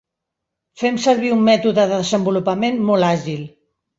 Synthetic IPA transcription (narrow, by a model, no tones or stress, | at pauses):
fɛmsəɾβiumːɛt̪uðəðəðəzəmbulupamenmolaʒil